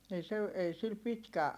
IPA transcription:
ei se ei sil pitkæ

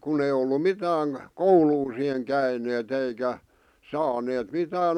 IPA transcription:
kun ei olːu mitæːŋ kouluː siheŋ kæineːt eikæ sɑːneːt mitæːn

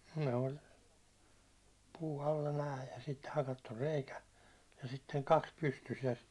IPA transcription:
ne ol puː ɑlːɑ næːj jɑ sit hɑkɑtːur reikæ jɑ sitːeŋ kɑks pystys jɑ

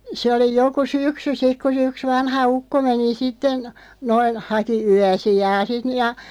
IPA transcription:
se oli joku syksy sik̆ ku se yks ʋɑnhɑ ukːo meni sitːen noin hɑki yæsijɑː sit n jɑ

